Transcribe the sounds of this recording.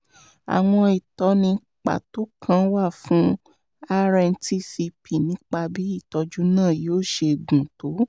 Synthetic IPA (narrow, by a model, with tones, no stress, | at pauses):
a̰˨w̃ɔ̃˧i˨tɔ˧nĩ˧ | k͡pa̰˨to˦kʰã˦wa˦˨fũ˨˦ | a˧ɾɛ˧n̩˧ti˧si˧pʰi˨nĩ˨˦k͡pa˧bi˦i˦˨tɔ˧d͡ʒu˦nãː˦˨joː˦˨ʃe˧ɡũ˨to˨˦